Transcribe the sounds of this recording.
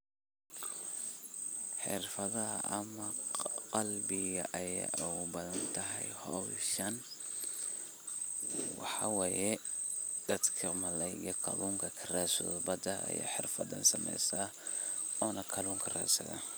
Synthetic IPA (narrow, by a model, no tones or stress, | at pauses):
ħɪ̰rfɐðɐɦɐ̰ʔɐmɐqɑlbɪɣɐʔɐja̰ʔʊɣʊbɐðɐnt̪ʰɐɦɛjhɔwʃɐn | wɑħɑwɑːjɛ | d̪̥ɐd̪kʰɐmɐlɛjɣɐkʰɐ̰luːŋkʰɐkʰɐraːsʊ̰ðbɐd̪ɐʔɐ̰ja̰ːħɪrfɐd̪ɐ̰nsɐmɛ̰jsaː | ɔːnɐkʰɐluːŋkʰɐra̰ːsɐ̰ðɐ̰